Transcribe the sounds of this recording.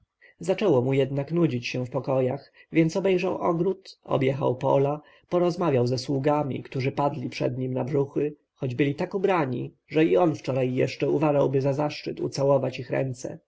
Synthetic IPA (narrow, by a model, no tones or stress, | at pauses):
zat͡ʂɛwɔmujɛd̪naknud͡ʑit͡ɕɕɛfpɔkɔjaxvʲjɛntsɔbɛjʐawʔɔ̰ɡɾut̪ɔ̰bjɛxa̰wpɔ̰la | pɔɾɔzmavʲjawzɛswuɡamʲḭkt̪uʐɘpad̪lʲipʂɛ̰d̪ɲimnabʐuxɘ | xɔd͡ʑbɘlʲit̪akubɾaɲḭ | ʐɛiɔnft͡ʂɔɾajːɛ̰ʂt͡ʂɛuvaʐawbɘzazaʂt͡ʂɘ̰t̪ṵt̪sawɔvat͡ɕixɾɛ̰nt̪sɛ̰